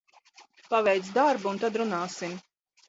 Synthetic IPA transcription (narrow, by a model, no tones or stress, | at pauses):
pavɛjt̪sd̪aɾbuunt̪ad̪ɾunaːsim